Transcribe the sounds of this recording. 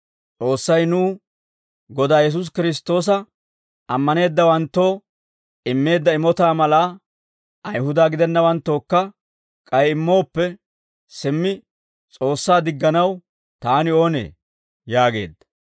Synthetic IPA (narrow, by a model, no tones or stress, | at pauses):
t͡sʼo̞ːsːɐjnuː | ɡɔd̪aːjɛs̬ʊs̬kɪɾɪs̬t̪o̞ːs̬ɐ | ʔɐmːɐne̞ːd̪ːɐwɐnt̪ːo̞ː | ɪmːe̞ːd̪ːɐɪmɔt̪aːmɐlaː | ʔɐjɦʊd̪aːɡɪd̪ɛnːɐwɐnt̪ːo̞ːkːɐ | kʼɐjɪmːo̞ːpːɛ | sɪmːɪ | t͡sʼo̞ːsːaːd̪ɪɡːɐnɐw | t̪aːnɪo̞ːnḛː | jaːɡe̞̰ːd̪ːɐ̥